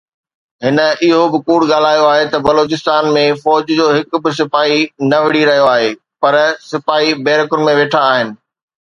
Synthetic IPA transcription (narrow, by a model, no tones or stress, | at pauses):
ɦɪn̆ɪɦobɪkuːɽɠaːl̤aːjoaːɦet̪ɐbɐloːt͡ɕɪst̪aːnmẽfɔːd͡ʑd͡ʑoːɦɪkbɪs̬ɪfaːɦinɐʋɪɽiɾɐɦijoaːɦeː | pɐɾsɪfaːibɛːɾəkʊnɪ̆mẽʋeːʈʰaːɦɪnɪ̆